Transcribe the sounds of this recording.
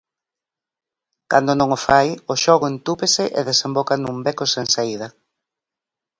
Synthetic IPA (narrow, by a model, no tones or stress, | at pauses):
kand̪onõŋofajʊʃɔɣoent̪upesɪʔḛðesembokanumbekoseŋsaið̞ɐ